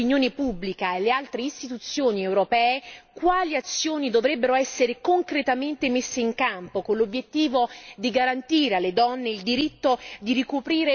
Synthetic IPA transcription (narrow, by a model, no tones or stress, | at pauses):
injoːnepubːlikaelːealt̪ɾeist̪it̪ut̪sːjoːniɛwɾopɛːekwaːliat̪sːjoːnid̪ovɾɛbːeɾoɛsːeɾekoŋkɾet̪ament̪emesːeiŋkampokonlobjet̪ːiːvod̪iɡaɾant̪iːɾealːed̪ɔnːeild̪iɾit̪ːod̪irikupɾiːɾe